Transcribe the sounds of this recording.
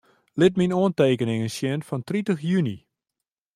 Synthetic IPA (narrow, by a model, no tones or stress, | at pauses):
lɪtminoəntejkənɪŋənsjɛəntfɑntritəχjyni